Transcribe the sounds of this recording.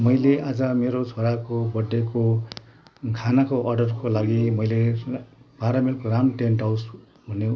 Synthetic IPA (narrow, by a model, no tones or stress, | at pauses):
mʌjleʔad͡zʌmeɾot͡sʰoɾakobʌɖːeko | kʰanakoʔʌrɖʌrkolaɡimʌjle | paɾʌmelkoɾamʈenʈaws | bʱʌne